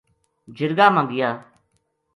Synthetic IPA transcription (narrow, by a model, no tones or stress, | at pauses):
d͡ʒɪɾɡaːmãːɡɪjaː